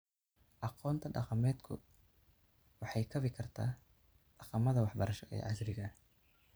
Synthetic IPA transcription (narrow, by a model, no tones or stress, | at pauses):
ʔɑqɔːnt̪ʰɐɖɑ̰qɑmɛːd̪kʰʊ̰ | wɑħɑjkʰɐβɪkʰɐrt̪ʰa̰ː | ɖ̥ɑqɑmɐðɐwɑħbɐɾɐʃɔʔɛ̰ːʕɑsɾɪɣɐ